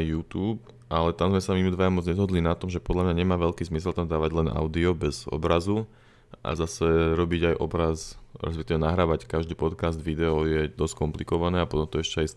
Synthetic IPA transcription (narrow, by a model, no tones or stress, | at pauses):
juːt̪uːp̚ | ʔalɛt̪amzmɛsamimud̪ʋajamɔd͡zɲɛzɦɔd̪linat̪ɔmʒɛpɔd̪lamɲaɲɛmaːʋɛʎkiːzmisɛlt̪amd̪aːʋaɟlɛnʔa̰ʊd̪iɔbɛzɔ̰bɾazu | ʔa̰zasɛɾɔbiɟajʔɔbɾazɾɛ̰s̬pɛk̚t̪iʋɛnaɦɾaːʋackaʒd̪iːpɔt̪kazd̪ʋid̪ɛɔjɛd̪ɔskɔmplikɔʋanɛːapɔt̪ɔmt̪ɔɛʃcɛas